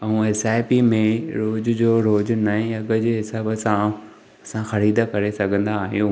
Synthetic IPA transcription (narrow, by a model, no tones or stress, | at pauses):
ɐũesaːɪpimẽɾoːd͡ʑʊd͡ʑoːɾoːd͡ʑʊnaːɦẽɐɡəd͡ʑeːɦɪsaːbəsã | ɐsãxɐɾiːd̪əkɐɾesɐɡʱə̃nd̪aːɦijũː